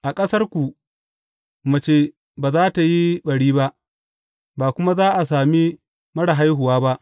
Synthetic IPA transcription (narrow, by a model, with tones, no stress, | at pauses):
ʔa˨kʼɐ˦sɐ˦rkʷu˨ | mɐ˨t͡ʃeː˦ | baː˨zaː˦ta˨ji˦ɓɐ˨ɽiː˦ba˦ʔ | baː˨kʷʊ˦ma˦zaː˦ʔa˨s̬aː˨mi˦ | mɐ˦ɽa˨ɦa˦jɦʊ˨waː˦ba˦ʔ